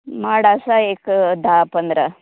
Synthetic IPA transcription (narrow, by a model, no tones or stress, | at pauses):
maːɽaːsaeːkd̪aːpɐnd̪ɾɐ